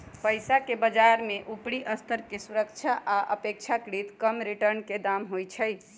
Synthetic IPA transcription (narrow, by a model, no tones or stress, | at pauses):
pəjsakebəd͡ʒaɾmeʔupɽiʔəst̪ʰəɾkesuɾəkt͡ʃʰaʔaʔə̰pek̚t͡ʃʰakɾit̪kəmɾiʈəɾnked̪amɦojt͡ʃʰəj